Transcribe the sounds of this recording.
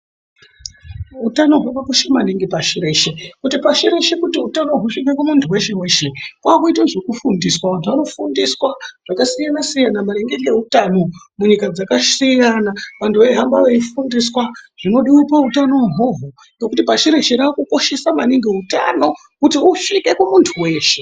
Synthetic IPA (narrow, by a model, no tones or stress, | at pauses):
ɦutano̞ɦwakakoʃamaniŋɡepaʃiɾe̞ʃekutipaʃiɾe̞ʃekutiutano̞ɦuʂikakwamuntʰuwe̞ʃe̞we̞ːʃe̞kwakuitwaʐekufundiswaʋantʰuʋano̞fundiswaʐ̥akasijanasijanamaɾeŋɡeɡe̞utano̞ | muɲikad͡zakasijanaʋantuʋeiɦambaʋeifundiswaʐ̥ino̞ɗiipautano̞ɦoɦo | no̞kutipaʃiɾe̞ʃeɾakuko̞ʃe̞samaniŋɡeuta̰no̞ | kutiuʂike̞kumuntʰuwe̞ːʃe̞